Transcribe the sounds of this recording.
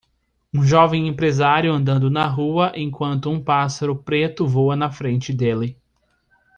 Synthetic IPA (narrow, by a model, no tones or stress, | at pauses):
ũʒɔvẽj̃ẽmpɾezaɾjʊɐ̃nd̪ɐ̃nd̪ʊnɐɦuɐʔẽkwɐ̃nt̪ʊũpasaɾʊpɾet̪ʊvowɐnɐfɾẽnt͡ʃɪd̪elɪ